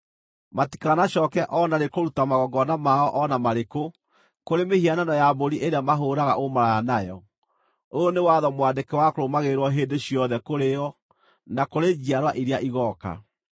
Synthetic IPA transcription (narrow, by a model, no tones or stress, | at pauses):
mati̥kaanaɕɔːkɛʔɔnaɾekoɾutamaɣɔɡɔnamaɔʔɔnamaɾeko | koɾemehiananɔjaboɾiʔeɾeamaɦoːɾaɣaʔomaɾajanajɔ̰ | onewaðɔmwadekɛwakoɾomaɣeɾwɔɦeːndeɕiɔðɛkoɾejɔ | nakoɾed͡ʒiaɾwaʔiɾeaʔiɣɔka̰